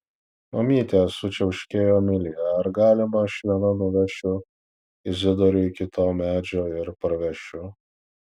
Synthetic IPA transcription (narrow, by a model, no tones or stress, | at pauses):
mɐmʲiːt̪ʲeːsʊt͡ʃʲɛʊʃʲkʲeːjoːmʲɪlʲɪjɛɐɾɡɑːlʲɪmɐʃʲʋʲiɛnɐnʊʋʲɛʃʲʊ | ɪzʲɪd̪ɔɾʲʊɪkʲɪt̪ʰoːmʲæːd͡ʒʲoːɪɾpɐɾɐʋʲɛʃʲʊ